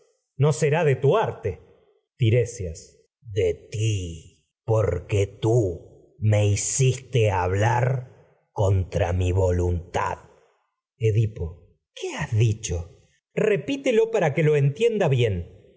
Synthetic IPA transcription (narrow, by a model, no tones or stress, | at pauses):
no̞seɾaðet̪uaɾt̪e | t̪iɾesjas | ðet̪i | po̞ɾket̪u | me̞isist̪eaβlaɾ | ko̞nt̪ɾa̰miβo̞lunt̪a̰ð | eðipo | keazðit͡ʃo̞ | re̞pit̪elo̞paɾakelo̞ent̪je̞nd̪aβje̞n